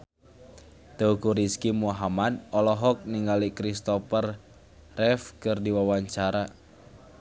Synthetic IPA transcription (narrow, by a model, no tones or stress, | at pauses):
t̪əukuɾiskimuɦamad̪̚ɔlɔɦɔk̚niŋɡalikɾist̪ɔpər | rɛfkɨrdiwawaɲt͡ʃaɾa